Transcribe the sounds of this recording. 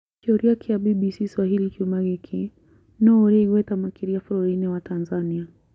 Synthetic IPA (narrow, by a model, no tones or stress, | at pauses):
t͡ʃɔɾiakʰiaɓiɓisiswaɦilikumaɡɛkʰi | nɔɾiɡwɛtamakiɾiaflɔɾinɛwatʰanzania